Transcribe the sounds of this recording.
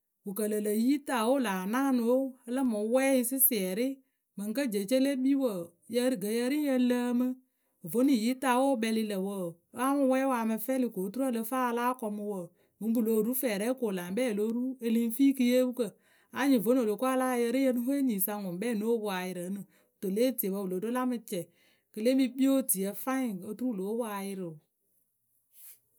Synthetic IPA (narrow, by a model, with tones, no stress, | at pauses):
wu˨kə˨lə˨lə˨ji˦ta˨wo˦laː˨naː˦˨no˨˦hə˧lə˦mo˨˦wɛː˦ji˧sɨ˦sɪ˨ɛ˨ɾɪ˦ | mɨ˨ŋ˦kə˦d͡ʒe˨t͡ʃe˦le˦ɓi˦wə˨ | jə˧˦ɡə˨jə˧˦ɾi˦jə˧lə˧˦mɨ˧˨ | vo˨˦ni˨ji˨˦ta˧˨woː˦ɓɛ˧li˧lə˨wə˨˦ | a˦mu˧˦wɛː˦waː˧˨mɨ˧fɛ˦li˨ko˨˦tu˦ɾə˦˨lə˧faː˦˧laː˦kɔ˧mɨ˧wə˨ | mɨ˨˧˦bu˨lo˨ɾu˦fɛː˨ɾɛ˦koː˨la˨ŋ˦bɛː˦˨lo˦ɾu˦e˧li˧˦fiː˦kɨ˧je˦bu˦kə˧˨ | a˨˦ɲi˨vo˨˦n˦o˨lo˨ku˦a˦laː˦jə˧ɾi˦jə˧˦nɨ˦ho˦e˦ɲiː˨sa˧ŋʊ˨˦ɓɛː˦˨no˦bu˦˨a˨jɪ˨ɾə˨˦nɨ˨ | to˨leː˦ti˨e˨bə˧wu˨lo˨do˦la˦mɨ˧t͡ʃɛ˨ | kɨ˧le˦mi˧ɓi˦o˦ti˨ə˨fa˦i˨o˨˧tu˦ɾu˦˨lo˨˦wa˧jɪ˧ɾɨ˨